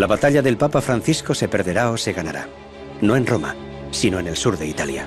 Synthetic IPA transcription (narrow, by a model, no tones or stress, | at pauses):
laβat̪aʎaðe̞lpapafɾan̟θisko̞se̞pe̞ɾðe̞ɾao̞se̞ɣanaɾa̰ | no̞e̞nro̞ma̰ | sino̞ene̞lsuɾðe̞it̪alja̰